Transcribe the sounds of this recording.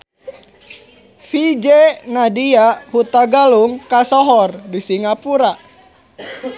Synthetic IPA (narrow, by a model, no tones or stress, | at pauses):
fid͡ʒenadiahut̪aɡaluŋkasɔɦɔrdisiŋapuɾa